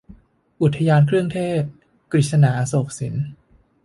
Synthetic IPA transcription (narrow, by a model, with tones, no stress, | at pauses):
ʔu˨˩t̪ʰːa˧jaː˧nkʰɾɯ˥˩əŋt̪ʰeː˥˩t̪̚ | kɾi˨˩t̪̚sa˧naː˩˦soː˨˩k̚si˩˦n